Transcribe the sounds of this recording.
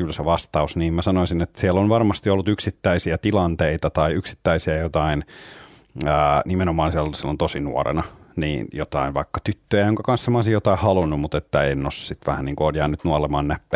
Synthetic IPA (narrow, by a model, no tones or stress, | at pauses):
kylseʋɑst̪ɑusniːmmæsɑnoisinet̪ːsiɛlːonʋɑrmɑst̪iolːut̪yksit̪ːæisiæt̪ilɑnt̪eit̪ɑt̪ɑiyksi̥t̪ːæisiæjot̪ɑin | æːnimenomɑːnsiɛlsielont̪osinṵorḛnɑnḭːnjot̪ɑinʋɑikːɑt̪yt̪ːøjæjoŋkɑkɑnssemɑˑsijjot̪ɑihɑlunːummut̪et̪ːæeinnossit̪ʋæhænniːŋkuoːnjæːnyt̪nuolemɑːnnæpːæː